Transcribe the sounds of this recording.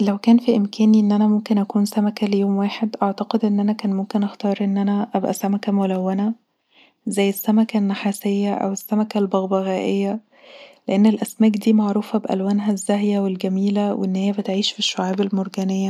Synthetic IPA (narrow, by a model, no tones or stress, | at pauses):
læwkæːnfiʔemkʰæːniʔenːʔænæmomkenʔækuːnsæmækælejoːmwaːħed̪ʔɑʕt̪ɑqed̪ʔenːʔænækæːnmomkenʔæxt̪ɑːɾˤʔenːʔænæʔæbʔæ̰sæmækæmolæwːænæ | zæjːesːæmækænːaħaːsejːæʔæ̰wesːæmækælbɑɣbæɣæːʔejːæ | leʔenːelʔæsmæːkd̪iːmaʕɾuːfæbeʔæ̰lwæːnɦæzːæɦjæwelɡæmiːlæwḛʔenːhejːæbet̪ʕiːʃfiʃːoʕaːbelmoɾɡæːnejːæ